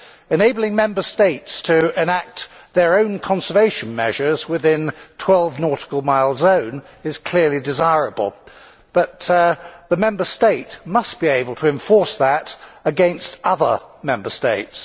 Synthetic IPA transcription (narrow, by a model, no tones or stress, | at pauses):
ɨneɪbl̩ˠɪ̃ŋmɛ̃mbə˞steɪtstʰɨɪ̃næk̚t̪ðə˞õʊ̃nkʰɑ̃nsə˞veɪʃɨ̃nmɛ̰ʒə˞zwɪðɪ̃ntʰw̥ɛlˠvnɔɹɾə̥kl̩ˠmaɪlˠzõʊ̃n | ɨz̥kʰl̥ɪɹlˠidɨzaɪɹɨbə̰l̩ˠ | b̥ʌt̪̚ðəmɛ̃mbə˞steɪt̚mʌsb̥ieɪbəl̩ˠtʰəɨ̃ɱfɔɹsðəɾəɡɛ̃nstʌðə˞mɛ̃mbə˞steɪts